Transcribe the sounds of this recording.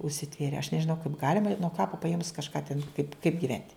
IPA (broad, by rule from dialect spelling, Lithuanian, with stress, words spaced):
ʊʃʲsʲɪˈtʲʋʲeːrʲeː ɐʃ nʲɛʒʲɪˈnɐʊ kɐɪp ˈɡɑːlʲɪmɐ ɪ nuɔ ˈkɑːpɐ pɐˈeːmʊs kɐʃˈkɑː tʲɛn kɐɪp kɐɪp ɡʲɪˈʋʲɛnʲtʲ